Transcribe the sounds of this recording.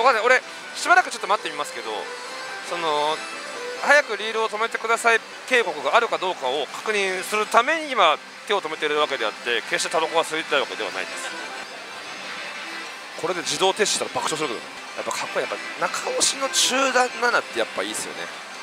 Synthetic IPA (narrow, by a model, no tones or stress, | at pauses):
bokaneo̞ɾe̞ | ɕibaɾakɯ̟t͡ɕo̞t̪ːomat̪ːemʲimasɨ̥ke̞d̪o̞ | so̞no̞ | hajakɯ̟ɾʲiːɾɯo̞t̪o̞me̞t̪e̞kɯ̟d̪asai | k̪e̞ːko̞kɯ̟ɡaːɾɯ̟kad̪o̞ːkao̞kʰḁkɯ̟ɲ̟ĩɰ̃sɨɾɯ̟t̪ame̞ɲ̟iima | t̪e̞o̞t̪o̞me̞t̪eɾɯɯβake̞d̪e̞at̪ːe̞ke̞ɕi̥t̪e̞t̪abakoɡasɨit̪et̪aiβake̞d̪e̞a̰na̰ḭd̪e̞sɨ̥ | ko̞ɾe̞d̪e̞d͡ʑid̪o̞ːt̪e̞sɕi̥t̪aɾabakɯ̟ɕosɨɾɯkeo̰ḛ | ja̰pːakʰakːojapːa | nakʰaoɕino̞t͡ɕɨːd̪ãnːanat̪ːe̞japːa̰iːsɨjo̰ne̞̰